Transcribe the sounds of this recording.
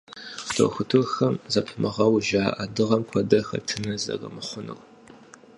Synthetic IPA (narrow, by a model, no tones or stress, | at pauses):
d̥ʰo̰wxʷʊtʰurxɐmzɐpʰɨmɨʁɐwʒaːʔɐdɨʁɐmkʷʰɔdɐxɐ̰tʰɨnɐzɐ̰rɐ̰mɨχʷʊnṵw